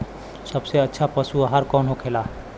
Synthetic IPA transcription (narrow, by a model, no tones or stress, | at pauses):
səbseətːʃʰapəsuːɦəɾkɔːnɦokʰeːlaː